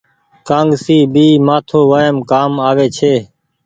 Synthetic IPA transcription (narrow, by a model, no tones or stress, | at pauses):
kãːŋɡsiːbiːmaːt̪ʰoːʋaːəmkaːmaːʋeːt͡ʃʰeː